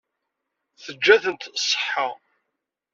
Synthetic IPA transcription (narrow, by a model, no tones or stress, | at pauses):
θəd͡ʒːæθənt̪sˤːə̥ħħːa